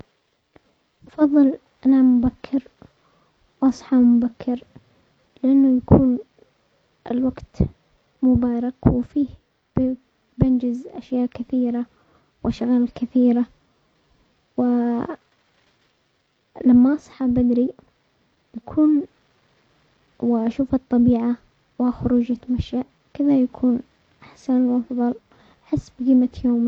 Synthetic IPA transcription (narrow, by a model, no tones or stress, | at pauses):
ʔɑfɑðˤːɨl | ʔanamʊbakʰːɪɾ | wʔɑsˤħɑmʊbakʰːɪɾ | lɪʔanːʊjakʰṵːn | ʔɪ̰lwaɡt̪ | mʊbɑːɾˤɑkwɪfiːh | bɪnd͡ʒɪzʔa̰ʃjaːʔkɪθiːɾa | wʔaʃɣaːlkɪθiːɾa | wɪ | lamːaʔɑsˤħabad̪ɾi | j̪akʰuːn | wɪʔaʃuːfɨt̪ˤːɑbiːʕa | wɪxʊɾuːd͡ʒat̪amaʃaʔ | kɪðajakʰuːn | ʔaħsanwʔɑfðˤɑl | ħɪsːbɡiːmat̪joːm